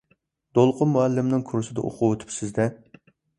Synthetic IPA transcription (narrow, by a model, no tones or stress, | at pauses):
d̪̥olˠqʰʊmuælːɪmnɪŋkʰuɾusɪd̪ɛ̰ʔo̰qʰʊwøt̪ʰy̥psɪzd̪ɛ